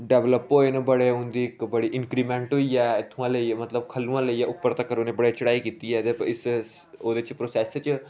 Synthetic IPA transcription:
ɖɛʋləpoːenebəɽeɦʊ̃nd̪iːɪkbəɽiʔɪ̃nkɾiːmẽɳʈɦoiɛɪt̪ʰũãləimɐt̪ləbkʰɐlːũãːləijaʔʊpːəɾt̪akəɾonebəɽet͡ʃəɽaːikiːt̪iɛd̪epɪs | oːd̪et͡ʃpɾoːsɛːst͡ʃ

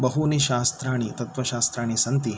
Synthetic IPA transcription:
bɐɦuniʃaːst̪ɾaːɳ̃it̪ɐt̪ʋɐʃaːst̪ɾaːɳ̃isɐnt̪i

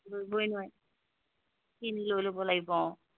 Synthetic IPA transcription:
bobojnuaj | kinilojlobɔlaɡibɔ

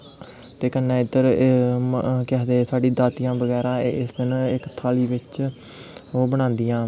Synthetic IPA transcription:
t̪eːkənːẽːɪd̪əɾ | kɛːd̪eːsaːɖĩːd̪aːt̪ɪjãːbəɡɛːɾãːɪsɪnɪkt̪ʰaːliːʋɪt͡ʃ | oːbəɽ̃ãːnd̪ijãː

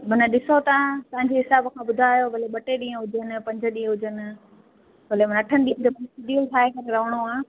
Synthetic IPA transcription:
mɐnəɗɪsot̪apɐ̃ɦɪ̃ɲd͡ʑeɦɪsaːbkʰãːbʊd̪ʱaːjoʋɐleɓɐʈeɗĩːə̃ɦʊd͡ʑʱənɪ̆pɐ̃ɲd͡ʑʱə̆ɗĩə̃ɦʊd͡ʑʱənɪ̆ | ʋɐlemnɐʈʰənɪ̆ɗ̪ĩːd͡ʑ̪omɐnsɪɖiəlʈʰaːɦekɐɾeɾɐʋ̤əɽ̃oaː

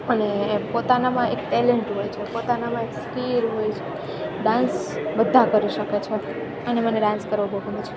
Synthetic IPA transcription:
ənepot̪anamãʔek̚ʈɛleɳʈɦojt͡ʃʰepot̪anamãekskiɾɦojt͡ʃʰe | ɖãnsbəd̪ʱːakəɾiʃəket͡ʃʰe | əneməneɖãnskəɾʋobʱəɡʱonet͡ʃʰe̥

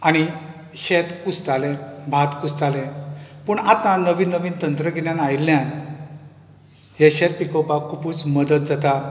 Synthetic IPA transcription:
aɽ̃i | ɕet̪kusd͡zalɛ̃bʱat̪kust͡salɛ̃pəɳat̪ːãnəʋiːnːəʋiːnt̪ənt̪ɾəɡɛnjãnailːjãn | ɦeɕɛt̪̚pikəwpakʰupuːt͡sməd̪ət̪̚d͡zat̪a

